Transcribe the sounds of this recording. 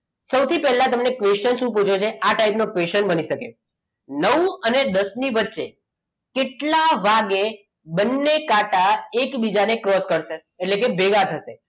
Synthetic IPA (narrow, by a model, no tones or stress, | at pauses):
səwt̪ʰipɛɦlːãt̪əmnekʋeʃənʃũp̬ut͡ʃʰot͡ʃʰeaʈaipnokʋeʃənbəniʃəkḛ | nəwəned̪əsniʋətːʃe | keʈlaʋaɡe | bənːekaʈaekbid͡ʒanekɾɔskəɾʃeːʈlekebʱeɡat̪ʰəʃe